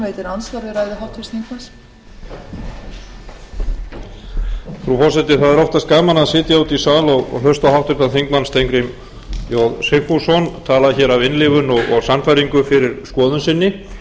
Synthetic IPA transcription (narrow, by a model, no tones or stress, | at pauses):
ejt̪ɪɾansaɾðɪɾajðɪɦawht̪fɪst̪θiŋkmans | fɾufɔsɛt̪ɪθaðɛɾɔft̪askaːmanaðsɪːt̪jaawt̪isaːlɔɣɔ̰ɣɦœst̪awɦawht̪ʏɾ̥t̪aðθiŋkmanst̪ʰejŋkɾɪm | jɔðsɪ̥fusɔnt̪ʰaːlaðçɛːɾavɪnlɪːvʏnɔɣɔɣsanfajɾiŋkʏfɪɾɪɾskɔːðʏnsɪnːɪ